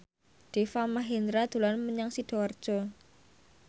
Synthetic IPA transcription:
ɖ̥e̤famaɦind̪ɾad̪̥ṳlanməɲaŋsiɖ̥ɔ̤ard̥ʒ̥ɔ

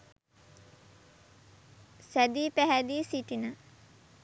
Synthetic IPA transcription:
sæd̪iːpæɦæd̪iːsiʈinə

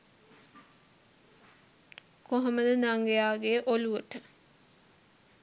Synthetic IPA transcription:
koɦoməd̪ənaŋɡejaːɡeʔoluʋəʈə

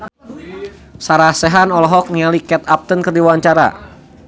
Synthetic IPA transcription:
saɾahsɛɦanɔlɔɦɔk̚niŋalikɛt̪̚ap̚t̪ənkərdiwaɲt͡ʃaɾa̰

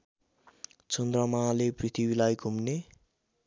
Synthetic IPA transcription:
t͡sʌnd̪rʌmaleprit̪ʰibilajkumne

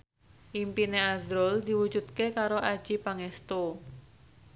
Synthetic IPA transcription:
ʔimpineazɾɔld̪iwu̥d͡ʒut̪̚kekaɾoʔḁd͡ʒ̥ipaŋest̪o

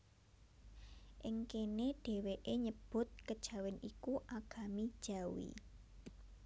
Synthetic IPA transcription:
ʔɪŋkeneɖ̥e̤weʔeɲəb̥ʊ̤t̪̚kəd̥ʒ̥a̤wɪnʔikuʔaɡ̥a̤mid̥ʒ̥a̤wḭ

